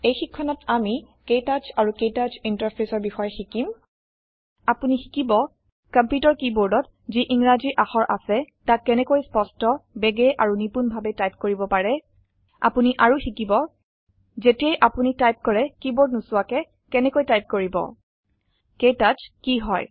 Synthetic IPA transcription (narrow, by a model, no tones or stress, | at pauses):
ejxikʰːɔnɔtami | ketad͡ʒaɹukejtad͡ʒintaɹpʰɹesɔɹbixɔjɛxikim | apunixi̥kibɔ | kampjutɔɹkiboɹdɔt | ziʔiŋɹaziʔaxɔɹʔa̰sɛtakːɛnɛkojspɔstɔbɛɡɛʔaɹunipunbʱabɛtajp̚koɹibɔpaɹɛ | a̰puniʔaɹuxikibɔ | zetiɛjʔapunitajp̚kɔɹɛkiboɹdnusʊwakɛ | kɛnɛkojtajp̚koɹibɔ̰ | kejtazkiɦɔj